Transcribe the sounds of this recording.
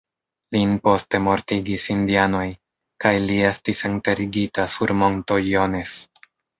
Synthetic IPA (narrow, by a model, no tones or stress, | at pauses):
linpo̞ste̞mo̞ɾtiɡisindiano̞j | kajlie̞stisente̞ɾiɡitasuɾmo̞nto̞jone̞s